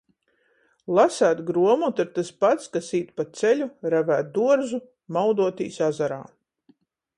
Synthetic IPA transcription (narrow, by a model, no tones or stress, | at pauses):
lˠasæːt̪ɡɾuɔmuːt̪aɾt̪aspat̪skasiːt̪pat̪sɛlʲuɾavæːt̪̚d̪uɔɾzu | mawd̪uɔt̪ḭːsazaɾa̰ː